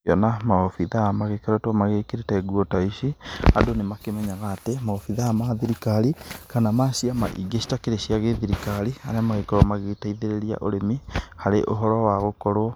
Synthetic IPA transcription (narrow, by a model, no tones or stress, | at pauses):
ɔnamaɔfiðaamaɣekeɾɔtɔmaɣekeɾetɛɡuɔtaiʃia̰donemakemɛɲaɣaːtemaɔfiðaamaðiɾikaɾikanamasiama̰ʔḭɡeʃi̥takeɾeʃiaɣeðiɾikaɾiaɾeamaɣekoɾwɔmaɣetaiðeɾeɾia̰ʔoɾemihaɾḛʔoɦɔɾɔwaɣokɔɾwɔ